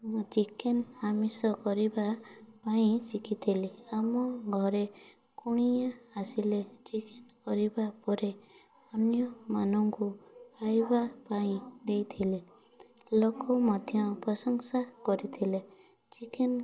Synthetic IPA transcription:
mɔt͡ʃikenamisɔkɔɾibapaĩsikit̪ʰileamɔɡʱɔɾe | kuɽ̃ijaːsilet͡ʃikenkɔɾibapɔɾe | ɔnjɔmanɔŋkuajbapaĩd̪ejt̪ʰile | lokɔmɔd̪ʱjɔpɾɔsɔŋsakɔɾit̪ʰile | t͡ʃiken

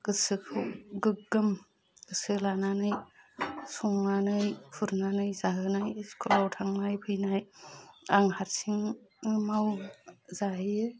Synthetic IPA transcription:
ɡ̥ɯsɯkʰɯwɡɯkɡɯm | ɡ̥ɯsɯlananɯj | suŋnanɯjpʰuɾnanɯjzaɦɯnajskʰolawtʰaŋnajpʰɯjnajaŋhaɾsiŋmawzajɯ

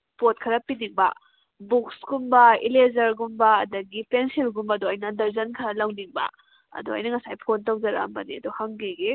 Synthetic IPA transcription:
pot̚kʰɐɾɐpːidiŋbɐ̰ | buksɡumbɐḭlezɐɾɡumbɐːdɐɡipʰensilɡumbɐːdoɐjnɐdɐɾzɐnkʰɐɾɐlɐwdiŋbɐ̰ | ɐ̰duɐ̰jnɐŋɐsajpʰontɐwd͡ʒɐɾa̰mbɐniɐduhɐŋɡeɡe

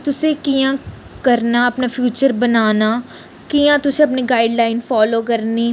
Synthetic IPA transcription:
t̪ʊsekijã | kɐɾnaɐpnafjuːt͡ʃəɾbɐnaːna | kijãt̪ʊseɐpniɡaːɪɖlaːɪnfɔːloːkɐɾniː

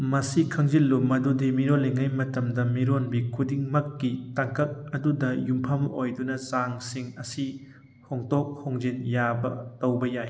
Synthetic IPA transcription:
mɐsikʰɐŋzilːumɐdudimiɾolːeŋajmɐtɐmdɐmiɾonbikʰudiŋmɐkːitaŋkɐk̚ɐdudɐjumpʰɐmojdunɐzaŋsiŋɐsi | hoŋtok̚hoŋzinjabɐ̰tɐwbɐjaj

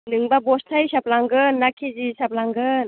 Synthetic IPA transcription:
nɯŋbabɔstʰajsap̚laŋɡɯnːakʰizisap̚laŋɡɯn

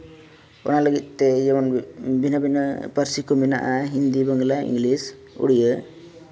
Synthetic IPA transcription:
ɔ̰naləɡit̪̚ˀtːɛjabɔnbinabinapəɾsikʰɔminaʔaɦind̪ibəŋlaḭŋɡlis | ṵɽijə

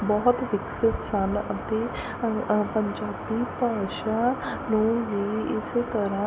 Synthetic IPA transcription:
bɔɦt̪ʋɪksɪt̪sənət̪eː | pəɲd͡ʒaːbiːpaːʃaː | nũːʋiːɪset̪əɾãː

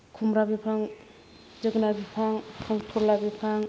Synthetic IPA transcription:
kʰumɾabipʰaŋ | d͡ʒɯɡnabipʰaŋpʰɔŋtʰuɾlabipʰaŋ

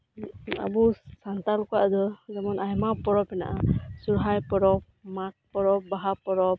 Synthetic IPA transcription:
a̰busant̪alkɔwaʔd̪ɔzamɔnʔajmapɔɹɔpɛna̰ʔasuɹɦajpɔɾɔp̚mak̚pɔɾɔp̚baɦapɔɾɔp̚

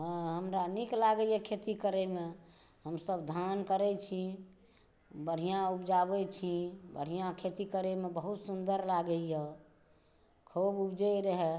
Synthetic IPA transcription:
ɦə̃ɦəmɾaniklaɡəjekʰet̪ikəɾeme | ɦəmsəbd̪ʱankəɾɛt͡ʃʰi | bəɽ̤ijãupd͡ʒabɛt͡ʃʰibə̰ɽ̤ijãkʰet̪ikəɾemebəɦut̪sund̪əɾlaɡəje | kʰububd͡ʒɛɾəɦɛ

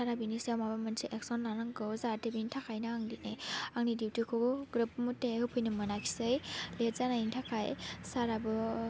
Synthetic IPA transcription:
saɾabinisawmabamɯnsʰiʔek̚sɔnlanaŋɡɯwzatebintʰakʰajnaaŋdinajaŋnidiwtikʰoɡɯɡɾɯp̚mutehɯpʰɯjnɯmɯnakʰi̥sɯjlet̚zanaintʰakʰajsaɾabɯ

